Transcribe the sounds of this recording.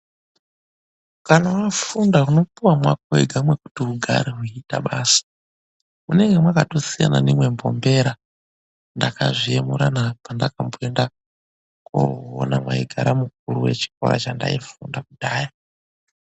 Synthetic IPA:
kanawafundaɦuno̞puwamwak̚oeɡʱamwe̞ku̥tiɦuɡʱa̰ɾiɦuita̰ɓaːsḁ | muneŋɡemwakato̞sija̰na̰nimwe̞mbo̞mbe̞ɾa | ndakaʐiemuɾanapandakamboenda | ko̰o̰namwa̰iɡʱaɾamuk̚uɾuwe̞̰t͡ʃi̥ko̞̰ɾa̰t͡ʃanda̰ifundakudaːja

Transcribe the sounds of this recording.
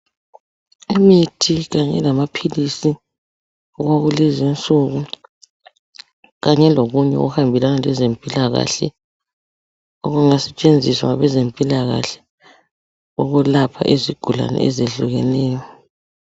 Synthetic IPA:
imitʰiɣaɲɛ̰lamapʰilisi | ɔɣwaɣulezint͡sʼuɣu | ɣaɲɛloɣuɲɛo̰ɣuhambʱilanalɛzempʼilaɣa̰ɬɛ | oɣuŋasɛt͡ʃʼend͡zʱiswa̰ŋaβɛzempʼilaɣa̰ɬɛ̥ | uɣulapʰa̰ʔeziɡ̥ʱula̰nɛ̰ɛ̰zeɮuɣɛlɛːjɔ

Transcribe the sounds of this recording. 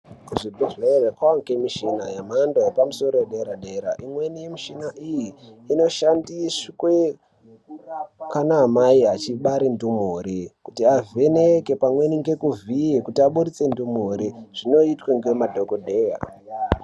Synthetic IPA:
kuʐibiʐeerekwaŋkemiʃinajamandojepamuso̞ɾojeɗe̞ɾaɗe̞ɾa̰ʔimwe̞nijemiʃinaʔijiːno̞ʃandiskwe̞ | kanaːmaiɦat͡ʃiɓaɾindumuɾikutiave̞neke̞pamwe̞niŋɡe̞kuvijekutiaɓuɾit͡se̞ndumuɾiʐ̥ino̞itweŋɡemadʱokodʱe̞ːja̰

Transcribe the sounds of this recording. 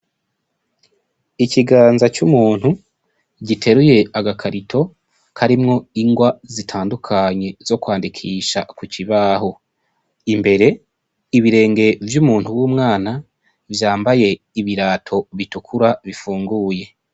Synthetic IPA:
iciɡaːnzat͡ʃumuːn̥hu | ɟitʰe̞ɾuje̞aɡakʰaɾitʰo̞ | kʰaɾimŋo̞iŋɡwazitʰaːndukʰaɲe̞zo̞kwaːndikʰiːʃakuciβaɦo̞ | imbe̞ɾe̞ | iβiɾe̞ːŋɡe̞vjumuːn̥huwuːmŋaːna | vjaːmbaje̞ | iβiɾaːtʰo̞βitukʰuɾaβifuːŋɡuje̞

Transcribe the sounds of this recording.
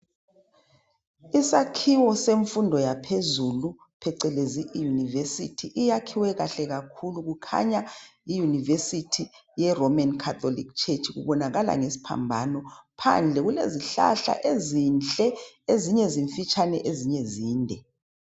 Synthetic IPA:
isakʰiwɔseɱfundʱɔjapʰezulu | pʰɛǀɛlezijunivesḭtʰiʔijakʰiwɛɣaɬɛɣakʰuluɣukʰa̰ɲaijunivesitʰijɛrɔmankʰatʰolḭk̚t͡ʃʰet͡ʃʰʼiɣṵβɔnaɣala̰ŋesi̥pʰa̰mbʱanɔpʰa̰nd͡ɮʱɛɣulḛziɬa̰ɬa̰ʔezint͡ɬʼɛeziɲɛziɱfit͡ʃʰʼanɛ̰ʔeziɲɛziːndʱɛ

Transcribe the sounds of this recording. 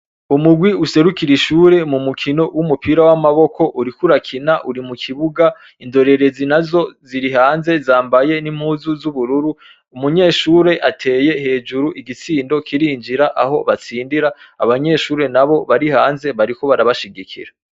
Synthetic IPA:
umuɡwiuse̞ɾukiɾiʃuːɾe̞mumukʰino̞wumupiːɾawamaβo̞kʰo̞ʔuɾikuɾakʰinaʔuɾimukʰiβuɡa | indo̞ɾe̞ɾe̞zinazo̞ziɾiɦaːnze̞zaːmbaje̞nimhuːzuzuβuɾuɾu | umuɲe̞ːʃuːɾe̞ʔatʰe̞ːje̞he̞ːd͡ʒuɾuʔiɡit͡siːndo̞kʰiɾiɲd͡ʒiɾaʔaɦo̞βat͡siːndiɾa | aβaɲe̞ʃuːɾe̞naβo̞βaɾihaːnze̞βaɾiko̞βaɾaβaʃiɡikʰḭɾa

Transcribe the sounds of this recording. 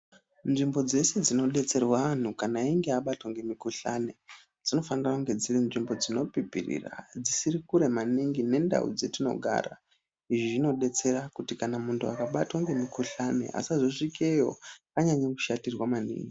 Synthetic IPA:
nʐimbo̞d͡ze̞se̞d͡zino̞ɗe̞t͡se̞rwaʋan̤ukanaiŋɡeaɓatwaŋɡe̞mikuɬane̞ | d͡zino̞fanirakuŋɡe̞d͡zirinʐimbo̞d͡zino̞pipḭrḭra̰d͡zisirikuɾe̞maniŋɡine̞nda̰ṵd͡zetino̞̰ɡʱa̰ːra̰ | iʐiʐino̞ɗe̞t͡se̞ɾakutikanamuntʰua̰kaɓatwaŋɡe̞mikuɬane̞̰a̰sazoʂikejo̞̰kaɲaɲaku̥ʃatirwamanḭːŋɡi

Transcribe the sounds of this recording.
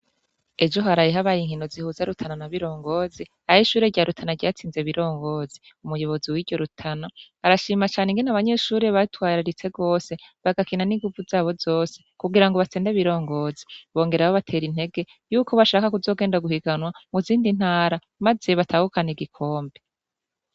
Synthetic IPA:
e̞d͡ʒo̞ɦaɾajeɦaβajiːŋhinozihuzaɾutʰananaβiɾo̞ːŋɡo̞ːzi | ahiʃuːɾeɟaɾutʰanaɟaːt͡siːnze̞βiɾo̞ːŋɡo̞ːzi | umujo̞βo̞ziwiɾɟo̞ɾutʰana | aɾaʃiːmat͡ʃaːneŋɡenaβaɲe̞ʃuːɾeβatwaːɾaɾit͡se̞ɡo̞ːse̞βaɡakinaniŋɡuvuzaːβo̞zoːse̞kuɡiɾaŋɡo̞βat͡seːndeβiɾo̞ːŋɡo̞zi̥βo̞ːŋɡe̞ɾaβaβatʰe̞ːɾin̥he̞ɡe̞ | juːkʰo̞βaʃaːkakuzo̞ːɡeːndaɡuhiɡanwamuziːndin̥haːɾa | maze̞βatʰaːhukaneɡikʰo̞ːmbe

